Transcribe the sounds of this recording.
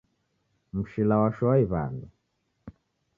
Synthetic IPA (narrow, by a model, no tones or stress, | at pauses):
m̩ʃilawaʃɔwaiβa̰ndu